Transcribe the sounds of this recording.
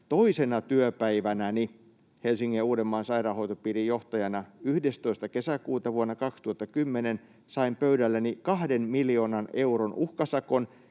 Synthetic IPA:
t̪oisenɑt̪yøpæiʋænæni | helsiŋːiuːɾemːɑːnsɑirɑːhoit̪opiːrijjoht̪ɑjɑnɑyhdest̪oist̪ɑkesækuːt̪ɑʋuonːɑkɑkst̪uɑt̪ːɑkymːenen | sɑimpøydælːænikɑhdenmiljoːnɑneuronʔuhkɑsɑkon

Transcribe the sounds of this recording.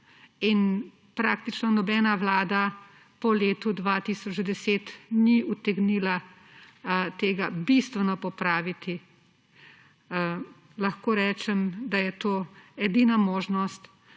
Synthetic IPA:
in | pɾaːkt̪it͡ʃnɔnɔbɛːnaʋlaːd̪a | pɔleːt̪ud̪ʋat̪isɔt͡ʃd̪ɛseːt̪niut̪ɛɡniːla | t̪eːɡabist̪ʋɛnɔpɔpɾaːʋit̪i | lɐxkoːɾɛːt͡ʃɛmd̪ajɛt̪oːɛd̪iːnamoːʒnɔst̪

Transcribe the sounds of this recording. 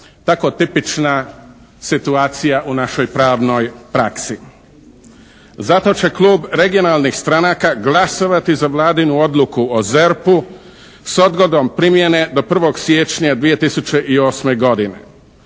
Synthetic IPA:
t̪ako̞t̪ipit͡ʃna | sit̪uaːt̪sijaʔunaʃo̞jpɾaːʋno̞jpɾaksi | zat̪o̞t͡ɕe̞klˠuːbɾe̞ɡio̞naːlˠnixst̪ɾanaːkaɡlˠasoʋat̪izaʋlˠaːd̪inuo̞d̪lukuoze̞ɾpu | so̞d̪ɡo̞d̪o̞mpɾimje̞ne̞d̪o̞pr̩ʋo̞ɡsje̞t͡ʃɲad̪ʋije̞t̪isut͡ʃe̞ʔio̞ːsme̞ɡo̞d̪inḛ

